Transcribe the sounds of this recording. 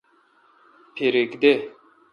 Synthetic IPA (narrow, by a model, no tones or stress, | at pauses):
pʰeɾekd̪e